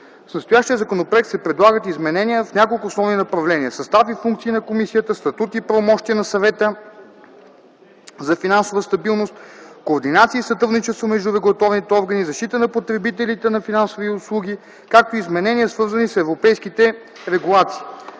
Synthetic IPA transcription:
snɐst̪ʊjaʃt̪iəzɐkonopɾoɛk̚t̪sɛpɾɛd̪lˠaɡət̪izmɛnɛnʲiəfnʲakolˠkʊsnɔvnʲinɐpɾɐvlɛniəsɐst̪avifuŋk̚t̪siːnɐkomisijət̪əst̪ɐt̪ut̪ipɾɐvomɔʃt̪iənɐsɐvɛt̪ə | zɐfinansovəst̪ɐbilˠnost̪̚koːɾd̪inat̪siːsɐt̪ɾuvnit͡ʃɛst̪vomɛʒd̪uɾɛɡʊlˠɐt̪ɔvnit̪ɛɔɾɡənizɐʃt̪it̪ənɐpot̪ɾɛbit̪ɛlit̪ɛnɐfinansoviʊslˠuɡ̟ʲi | kak̚t̪oizmɛnɛniəsvɤɾzənisɛvɾopɛjskit̪ɛ | ɾɛɡulˠat̪si̥ː

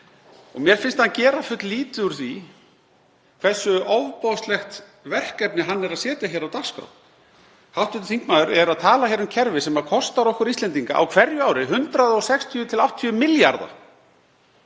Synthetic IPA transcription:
ɔ̰ɣmjɛɾ̥fɪnst̪hancɛːɾafʏt̪liːt̪ʏʏɾ̥θi | kʰvɛsːʏʔoːwvpowst̪lɛxt̪ | vɛr̥kɛpnɪɦanːɛɾaðsɛːt̪jaçɛːɾawt̪aɾskɾa̰w | hawht̪ʏt̪ɪ̥θiŋkmaːðʏɾɛɾaðt̪ʰaːlaçɛɾʏmcʰɛɾvɪsɛmaðkʰɔst̪aɾɔhkʏɾist̪ɛnt̪iŋka̰ʔa̰wkʰvɛɾjʏaːwɾɪɦʏnt̪ɾaðɔɣsɛkst̪ʰiʏt̪ʰɪlawt̪ʰːiʏmɪlja̰ɾða̰

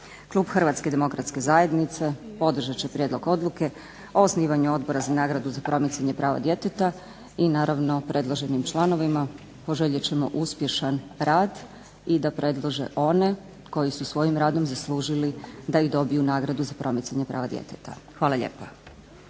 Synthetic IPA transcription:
kluːbxr̩ʋat̪ske̞d̪e̞mo̞kɾat̪ske̞zaːje̞d̪nit̪se̞po̞d̪r̩ʒat͡ɕepɾʲjed̪lˠo̞ɡo̞d̪lˠuke̞ | o̞osniːʋaɲuo̞d̪bo̞ɾazanaːɡɾad̪uzapɾo̞mit̪saɲe̞pɾaːʋa̰d̪je̞t̪et̪a | inaːɾaʋno̞pɾʔe̞d̪lˠoʒe̞nimt͡ʃlˠano̞ʋima | po̞ʒeʎet͡ɕe̞mo̞ʔuspje̞ʃanɾaːd̪ | id̪apɾʔe̞d̪lˠoʒḛʔo̞ne̞ | ko̞jisusʋo̞jimɾaːd̪o̞mzaslˠuːʒilid̪aid̪o̞bijunaːɡɾad̪uzapɾo̞mit̪saɲepɾa̰ːʋad̪jḛt̪et̪a̰xʋaːlaʎḛːpa

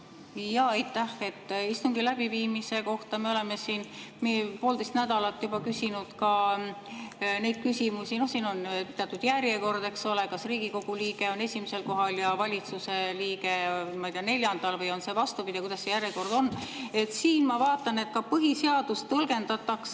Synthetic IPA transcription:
jɑɑjt̪ːˑæhe̞t̪ːˑist̪uŋɡ̥ilæb̥iviːmise̞ko̞ht̪ɑme̞ole̞me̞siːnmepoːld̪e̞jst̪næd̪̥ɑlɑt̪ːjub̥ɑkysʲinud̪̥kɑ | ne̞jd̪̥̚kysʲimusʲino̞hsiːno̞npt̪eɑt̪ːˑud̪̥jærje̞ko̞rd̪̥e̞kso̞lekɑsriːɡ̥iko̞ɡ̥uliːɡ̥e̞o̞ne̞sʲimise̞lko̞ɦɑljɑvɑlʲit̪suse̞liːɡ̥e̞mɑjt̪eɑne̞lʲjɑnd̪ɑlvɤjo̞nse̞vɑst̪upid̪̥ʲiɑkujd̪ɑsːe̞jærjeko̞rd̪̥o̞nːe̞t̪siːnmɑvɑːt̪ːˑɑne̞t̪̚kɑpɤɦiseɑd̪̥ust̪ːɤlɡe̞nd̪ɑt̪ːˑɑks

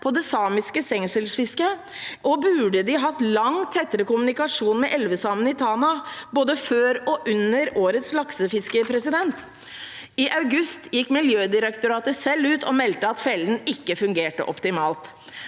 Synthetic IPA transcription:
pʰɔd̪ɛsɑːmɪskəsɛŋsəlsfɪskə | ʔɔbʉːɖəd̪ɪɦɑt̪ːlɑŋt̪ʰɛt̪ːəɾəkʊmʉnɪkɑʂuːnmɛʔɛlʋəsɑmənɪt̪ʰɑːnɑboːd̪əføːɾɔʔʉnːəɾoːɾət̪slɑksəfɪskəpʰɾɛsɪd̪ɛnt̪ | ɪʔɑʉɡʉst̪jɪkːmɪljøːd̪ɪɾəkt̪ʊɾɑːt̪əsɛlːʉːt̪ʰɔmɛlt̪əɑt̪fɛlənɪkːəfʉŋɡeːʈə̰ʔɔ̰pt̪ɪmɑːlt̪

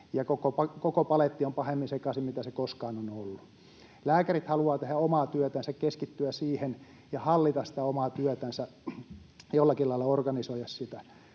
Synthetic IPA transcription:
jɑkokopɑkokopɑlet̪ːiompɑhemːinsekɑsimmit̪æsekoskɑːnonolːu | læːkærit̪hɑluɑːt̪ehæomɑːt̪yøt̪ænsækkeskit̪ːyæsiːhen | jɑhɑlːit̪ɑssi̥t̪æomɑt̪yœt̪ænsæ | jolːɑkilɑilɑorɡɑnisoijɑssit̪æ

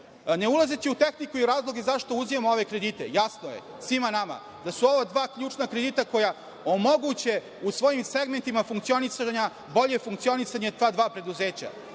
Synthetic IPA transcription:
ne̞ulˠazet͡ɕiut̪exnikuiɾaːzlˠo̞ɡe̞zaʃt̪ouzijamooʋe̞kɾe̞d̪it̪e̞̰jasnoje̞̰ | sʋimanama̰ | d̪asuo̞ʋad̪ʋaːkʎuːt͡ʃnakɾed̪it̪ako̞ja | o̞mo̞ɡut͡ɕe̞ | usʋo̞jimseɡment̪imafuŋkt̪sio̞nisaɲa | bo̞ʎefuŋkt̪sio̞nisaɲet̪ʋaːd̪ʋaːpɾe̞d̪uzeːt͡ɕa̰

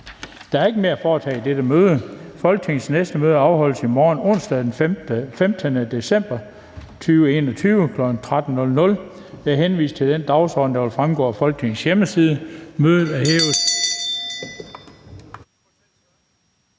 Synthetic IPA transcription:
d̥ɑ̈æɐe̝ɡ̥əme̝ːɐæfɒːt͡sʰɛ̰ːid̥ed̥əmøːð̞ˠəfɒ̽lɡ̥̚t͡sʰe̝ŋn̩snesd̥əmøːð̞ˠəɑ̈ʊɦɒ̽l̰əsimɒːnɔ̽n̰sd̥ɛðˠd̥enfemd̥ənəd̥e̝sem̰b̥ɐ | t͡sʰyːʊəe̝ːnɒt͡sʰyːʊəkʰlɒ̽ɡ̥n̩t͡sʰʁad̥n̩nɔ̽lnɔ̽l | jeæɐɦenʋḭːsd̥̚t͡sʰe̝ld̥end̥ɑ̈ʊsɒ̰ːd̥n̩d̥ɑ̈ʋe̝lfʁamɡ̥ɒ̰ːfɒ̽lɡ̥̚t͡sʰe̝ŋn̩sjeməsiːð̞ˠəmøːð̞ˠð̩ˠæɐheːʊs

